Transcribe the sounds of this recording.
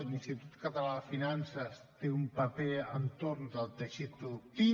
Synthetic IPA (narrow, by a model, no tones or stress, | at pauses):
linst̪it̪ut̪kət̪əlafinansəst̪eumpəpɛənt̪oɾnd̪əlˠt̪əʃit̪̚pɾuðuk̚t̪i